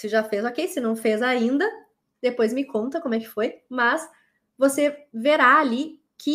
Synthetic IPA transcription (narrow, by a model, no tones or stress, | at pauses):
sɪʒafezokejsɪnɐ̃w̃fezaĩnd̪ɐ | d̪epojzmɪkõnt̪ɐkomʊɛkɪ̥fojmɐs | voseveɾaːli | kʰɪ